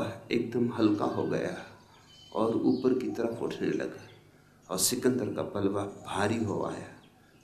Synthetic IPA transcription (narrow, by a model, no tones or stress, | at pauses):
eːk̚d̪əmɦɐlka̰ɦoɡɐ̰ja | ɔːɾuːpəɾkit̪əɾəfʰʊ̰ʈʰnelɐ̰ɡa | ɔːɾsɪkə̃nd̪əɾka̰pəlʋabʱaːɾiɦoa̰ːjaː